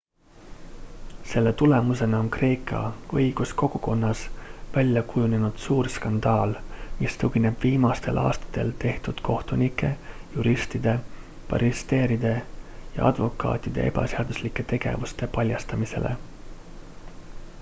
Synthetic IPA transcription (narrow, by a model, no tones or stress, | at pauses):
se̞lːe̞t̪ule̞muse̞nɑo̞nkre̞ːkʰˑɑ̰ɤjɡ̥usko̞ɡ̥uko̞nːɑsvælʲjɑkujune̞nud̪̥suːrskɑnd̪̥ɑːlmist̪ukine̞b̥viːmɑst̪e̞lʔɑ̰ːst̪ɑ̥t̪e̞̰lt̪e̞ht̪ud̪̥kʰo̞ht̪unikːˑe̞juɾist̪id̪̥e̞ | pɑ̰ɾist̪e̞ːɾid̪̥e̞jɑ̰ɑ̰d̪vo̞kˑɑ̰ːt̪ːˑid̪̥e̞̰e̞b̥ɑ̰seɑd̪̥uslikːˑe̞t̪e̞ɡ̥e̞̰vust̪e̞pɑlʲjɑst̪ɑmise̞̰le̞̰